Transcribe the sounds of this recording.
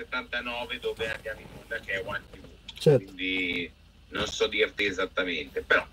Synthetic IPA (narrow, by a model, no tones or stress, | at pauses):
set̪ːant̪anɔːved̪oːvead̪jaːminund̪ak̟eɛwant̪iut͡ʃɛwind̪i | nonsɔd̪ːirt̪iezat̪ːament̪epeɾɔ